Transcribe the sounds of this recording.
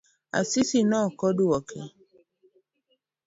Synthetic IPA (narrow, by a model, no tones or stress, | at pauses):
a̰sisinɔ̃kɔduwɔkʰɛ̰